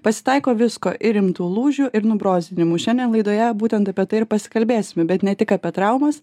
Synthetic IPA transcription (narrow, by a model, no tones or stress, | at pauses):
pɐsʲɪ̥t̪ɐɪkoːʋʲɪskoːʔʔɪɾɪmt̪uːlˠuːʒʲuʔɪɾnʊbɾoːzʲɪnʲɪmuʃʲɛnʲd̪ʲɛnlˠɐɪd̪oːjɛbuːt̪ʲɛnt̪ɐpʲiɛt̪ɐɪɪɾpɐsʲɪ̥kɐlʲbʲeːsʲɪmʲɛbʲɛt̪nʲɛt̪ʲɪkɐpʲɛt̪ɾɐʊmɐs